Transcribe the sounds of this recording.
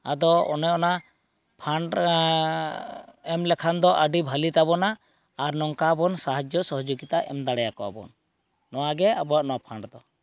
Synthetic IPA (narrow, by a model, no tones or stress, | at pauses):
a̰d̪ɔɔ̰nɛɔna | pʰaɳɖ | ɛmlɛkʰand̪ɔʔaɖibʱalit̪abɔnaː | ɾnɔŋkabɔnsaɦad͡ʒjɔsɔɦɔd͡ʒoɡit̪aʔɛ̰md̪aɽɛjakɔa̰bɔ̰nː | ɔwaɡɛabɔaʔnɔwapʰaɳɖd̪ɔ